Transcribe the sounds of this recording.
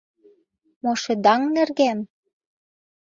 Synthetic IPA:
moʃĕd̪ɑŋnĕrɣæm

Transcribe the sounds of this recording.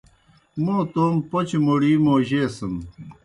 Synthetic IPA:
moːt̪oːmpot͡ɕmoɽiːmoːʑeːsɐn

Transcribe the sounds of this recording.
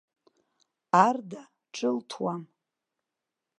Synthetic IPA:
arda | ʈ͡ʂʰɨltʰwam

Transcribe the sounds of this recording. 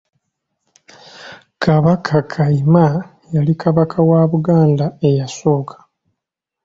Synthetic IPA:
kʰaβakʰakʰaima | jalikʰaβakʰawaβuɡaːndae̞jaso̞ːkʰḁ

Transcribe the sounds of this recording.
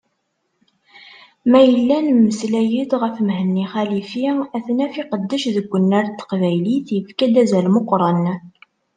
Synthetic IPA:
mæjəlːænməslæjid̪ʁəfmhənːiχælifiæθnæfiqəd̪ːəʃðəɡʷːənːæɾt̪ːə̥qvæjliθjəfkæd̪æzælmoqːɾˤɑn

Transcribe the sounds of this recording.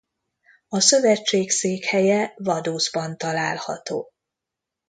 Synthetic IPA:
ɒsø̞vɛt͡ʃːeːkseːkhɛjɛvɒd̪oːzbɒnt̪ɒlaːlhɒ̰t̪o̰ː

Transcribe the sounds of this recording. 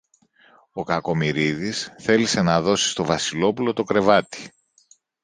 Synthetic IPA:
o̞kɐko̞miɾiðisθe̞lise̞nɐðo̞si̥st̪o̞vɐsilo̞pulo̞t̪o̞kɾe̞vɐt̪i̥

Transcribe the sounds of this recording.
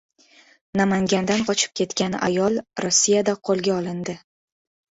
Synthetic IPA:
namaŋɡʲand̪anqʰɒt͡ʃʰɪ̥p̚kʲʰe̞t̪kʲana̰jɒlˠɾosːijad̪aqʰolˠɡʲaɒlˠɪnd̪ɪ

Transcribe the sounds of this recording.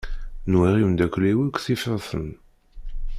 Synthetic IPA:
nwæʁiwnd̪ækʷːliwikʷθifəɾθə̰n

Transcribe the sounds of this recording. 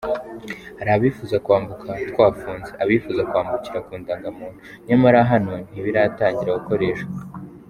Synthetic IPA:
aɾaβifuːzakwaːmbukʰatkwaːfuːnzeʔaβifuːzakwaːmbuciɾakuːndaŋɡamuːn̥hu | ɲamaɾaɦano̞n̥iβiɾataːɲɟiɾaɡuko̞ɾe̞ːʃaa

